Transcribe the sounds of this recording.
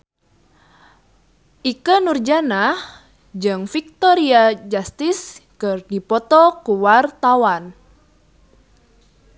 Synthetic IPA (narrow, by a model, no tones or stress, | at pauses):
ʔikənurd͡ʒanah | d͡ʒɨŋfik̚t̪ɔɾiad͡ʒast̪iskɨrdipɔt̪ɔkuwart̪awan